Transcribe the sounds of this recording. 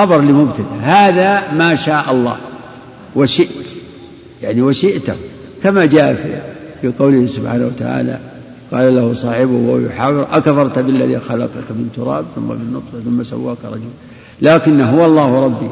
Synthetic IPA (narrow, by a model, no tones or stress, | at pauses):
ɑbɑɾˤlimʊbt̪ad̪ahaːðamaːʃaːʔɑlˤːɑ̰ːh | waʃɪʔt̪ | jaʕniwaʃɪʔt̪ah | kamad͡ʒaːʔfḭfiqɑwlɪhsʊbħaːnawat̪a̰ʕa̰ːla̰ | qɑːlalahʊsˤɑːħɪbʊhajʊ̰ħaːwɪɾʔakfɑɾˤt̪bɪlːa̰ðḭxɑlɑ̰qɑkmɪnt̪ʊɾˤɑ̰ːbθʊmːa̰bɪnːʊt̪ˤfθʊmːasa̰wːaːkɾˤɑ̰d͡ʒʊl | laːkɪnːɦʊwalˤːɑːhɾˤɑbːi